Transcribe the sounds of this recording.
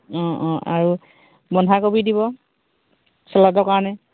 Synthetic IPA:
ɔ̃ɔ̃ʔa̰ɹu | bɔnɦakobidiβɔ | sɔladɔkaɹɔnɛ

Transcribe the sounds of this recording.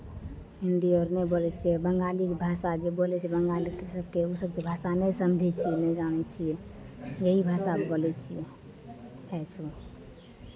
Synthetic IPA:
ɦind̪iɔːɾnebolɛt͡ʃʰiɛbəŋɡalikebʱasad͡ʒebolɛt͡ʃʰɛbəŋɡalikesəb̚keusəb̚kebʱasanɛsəmd͡ʒʱɛt͡ʃʰiɛnɛid͡ʒanɛt͡ʃʰiɛ | jəɦibʱasabolɛt͡ʃʰie | t͡ʃʰɛt͡ʃʰu

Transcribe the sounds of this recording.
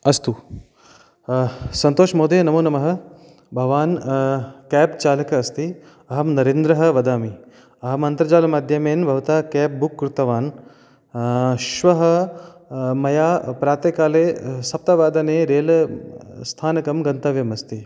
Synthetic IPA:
ɐst̪u | sɐnt̪oːʃmoːd̪ʱeːnɐmoːnɐmɐɦɐ̆ | bʱɐʋaːn | kɛːpt͡ʃaːlɐkɐɐst̪i | ɐɦɐmnɐɾeːnd̪ɾɐɦɐ̆ʋɐd̪aːmi | ɐɦɐmɐnt̪ɾɐd͡ʒaːlɐmaːd̪ʱjɐmeːnbʱɐʋɐt̪aːkɛːp̚bukːɾut̪ɐʋaːn | ʃʋɐɦɐ̆ | mɐjaːpɾaːt̪eːkaːleːsɐp̚t̪ɐʋaːd̪ɐneːɾeːl | st̪ʰaːnɐkɐmɡɐnt̪ɐʋjɐmɐst̪i

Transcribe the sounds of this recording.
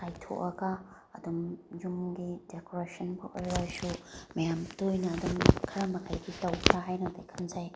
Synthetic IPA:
tajtʰo̰ʔɐɡa | ɐd̪umd͡ʒumɡidekoɾesʰɐnbɐʔojɾasumɐjamtojnɐːd̪umkʰɐɾamɐkʰajɡitɐwkʰɾaɦajnɐtʰajkʰanzaj

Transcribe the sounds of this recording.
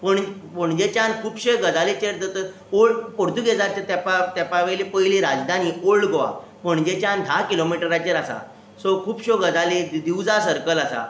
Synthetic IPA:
pəɳpəɳd͡ʑet͡ɕankʰuːpɕeɡəd͡zalet͡ɕeɾd̪ət̪ə | oɭpɔɾd̪uɡed͡zat͡ɕat̪apat̪apaʋelipəɦjliɾad͡zd̪ʱaniːʔoɭɡoʋa̰ | pəɳd͡ʑet͡ɕand̪ʱakilomiʈəɾat͡ɕeɾasa̰ | sɔkʰuːpɕoɡəd͡zalid̪iwd͡zasəɾkəlasa̰

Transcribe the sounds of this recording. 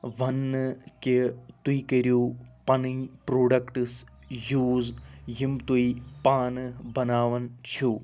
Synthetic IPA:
ʋɐnːɨket̪uikɐɾupɐnɨjpɾoːɖɐkʈɨsjuːzjimt̪uipaːnɨbɐnaːʋɐnt͡ʃʰu

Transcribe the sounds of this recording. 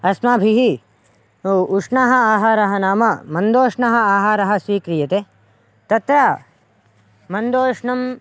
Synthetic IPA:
ɐsmaːbʱiɦi | uʂɳaːɦɐaːɦaːɾɐɦɐnaːmɐmɐnd̪oːʂɳɐɦɐaːɦaːɾɐɦɐ̆sʋiːkɾijɐt̪e | t̪ɐt̪ɾaː | mɐnd̪oːʂɳɐm

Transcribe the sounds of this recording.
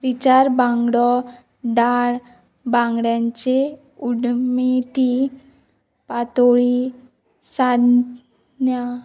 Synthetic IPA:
ɾit͡ɕaɾbãŋɡɽɔ | d̪aɭ | bãŋɡɽjãɲt͡ɕe | uɽmit̪i | pat̪oɭi | sad̪ | nja

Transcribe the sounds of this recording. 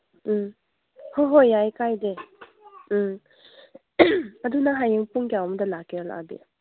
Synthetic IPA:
hoɦojajkajde | ad̪unaɦajɯŋpuŋkjawmədalakeɔla̰a̰dḭja

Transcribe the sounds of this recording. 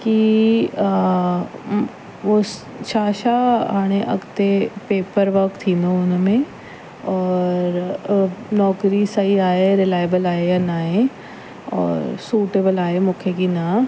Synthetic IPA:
ki | ʋo | ʃʰaːʃaɦaːɽ̃eʔɐ̰ɡt̪epeːpəɾʋɐkt̪ʰĩːnd̪oʊnəmẽ | ɔːɾ | nɔːkɾisɐiaːɦeɾɪlaːɪjbəlaːɦejɐnaːɦe | ɔ̰ːɾsuːʈeːbəlaːɦemũːkʰekina

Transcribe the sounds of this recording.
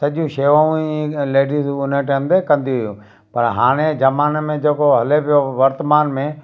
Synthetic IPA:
sɐʄũʃeːʋaːũileːɖizʊnəʈemd̪ekɐ̃nd̪iʊjũ | pɐɾɦa̰ːɽ̃ed͡ʒɐmaːnmẽd͡ʒeːkoɦɐlepɪjoʋɐɾt̪əmaːnmẽ

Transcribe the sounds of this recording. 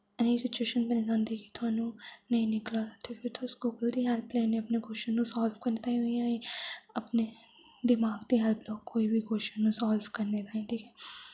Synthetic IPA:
ɛnesɪt͡ʃueːʃənpənɪzãːnd̪eki̥t̪ʊɦaːnũnɐɦĩːnɪklat̪ʰat̪ʰefʰɪɾt̪ʰoːskoːkəld̪iɦɛlpleːneɐpneɡʱoːʃənũsaːlʋkɐɾnet̪aːĩɦoiãĩɐpne | d̪ɪmaːɡd̪iːɦɛlplɔːkkːoːibʱiɡʱoːʃənũːsaːlʋkɐɾned̪aːɦẽːʈʰiːkʰɛː

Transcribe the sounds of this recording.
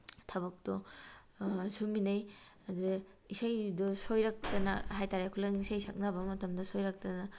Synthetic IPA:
tʰaβɐk̚tɔ | suminaj | aduɡ | isajdɔsojɾak̚tɐna̰hajtaɾakʰulaŋisajsak̚nabɐmɐtɐmdɔsojɾak̚tɐna

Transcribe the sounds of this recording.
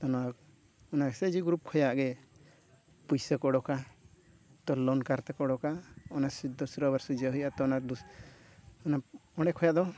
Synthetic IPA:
t̪ɔna | ɔnaɡɛsed͡ʒiɡɾup̚kʰɔjaʔɡɛ | pujsəkɔɽɔka | t̪ɔlɔnkaɾt̪ɛkɔɽɔkaɔnasid̪ɔsɾɔbaɾsɔd͡ʒəɦujʔat̪ɔnad̪u | ɔnaɔɽɛkʰɔjaʔd̪ɔ

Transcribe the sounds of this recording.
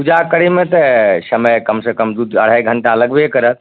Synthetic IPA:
pud͡ʒakəɽimẽt̪əsəməjkəmsekəmd̪ud̪əɽ̤ajɡʱəɳʈaələɡbʱiekəɾət̪̚

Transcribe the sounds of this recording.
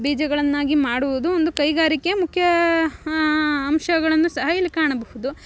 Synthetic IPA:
biːd͡ʒɐɡɐɭɐnːaːɡimaːɽuʋud̪uond̪ukɐjɡaːɾikemukʰjɐ | ɐmʃɐɡɐɭɐnːusɐɦɐjɐlikaːɳɐbɐhud̪u

